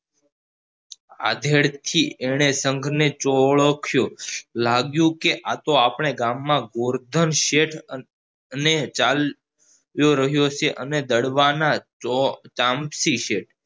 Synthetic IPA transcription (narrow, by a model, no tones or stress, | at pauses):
a̰d̪ʱeɽt̪ʰieɽ̃esəŋɡʱnet͡ʃoɭəkʰjolaɡjũkeʔat̪oapɳ̃eɡamːãɡoɾd̪ʱənʃeʈʰ | net͡ʃal | joɾəɦjoseʔəned̪əɽʋana | t͡ʃãmpsiʃeʈ̚ʰ